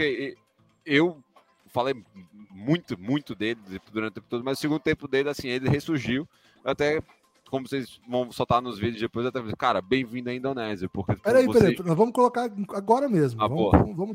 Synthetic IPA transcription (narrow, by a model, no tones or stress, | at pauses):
poke | ew | falejmũj̃t̪ʊmũj̃t̪ʊd̪elɪẽpʊd̪uɾɐ̃t̪t̪ẽpʊt̪od̪ʊmɐzʊsɪiɡũd̪ʊt̪ẽmpʊd̪elɪasĩelɪɦesuɾʒiw | at̪ɛ | kõmʊsejzvɐ̃w̃sot̪anʊzvid̪ʊzd̪epojzat̪ɛfekaɾɐbẽj̃vĩd̪ɐ̃ĩnd̪onɛzjɐpohkepɛɾaipeɾezẽpɾnɔ̃zvɐ̃mʊkolokaɾ̃aɡɔɾɐmezmʊavɐ̃moɐ̰mʊvɐ̃mʊ